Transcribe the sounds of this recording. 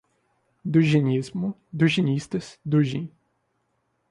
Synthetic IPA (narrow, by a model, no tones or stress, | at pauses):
d̪uʒinʲizmud̪uʑinʲist̪əsd̪uʒĩ